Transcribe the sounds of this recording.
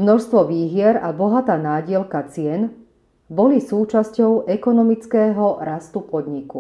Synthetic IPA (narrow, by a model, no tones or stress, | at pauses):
mnɔʃst̪ʋɔʋiːɦɪɛɾabɔɦat̪aːnaːɟɪɛlkat͡sɪɛn | bɔlisuːt͡ʃascɔʊʔɛkɔnɔmit͡skɛːɦɔɾast̪upɔd̪ɲiku